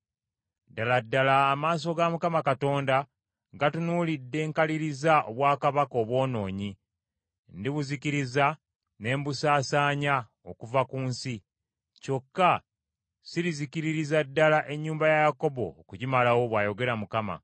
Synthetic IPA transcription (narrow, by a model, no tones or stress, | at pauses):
daladːalaːmaːs̬o̞ɡamukamakato̞ːnda | ɡatunuːlidːe̞ːŋkaliɾizaʔoβwaːkaβako̞ːβwo̞ːno̞ːɲi | ndiβuzikiɾiza | ne̞ːmbusaːsaːɲa | okuvakuːnsi | co̞kːa | siɾizikiɾiɾizadːalaʔe̞ɲːuːmbajajako̞bo̞̰ːkuɟimalawo̞βwaːjo̞ɡe̞ɾamukama̰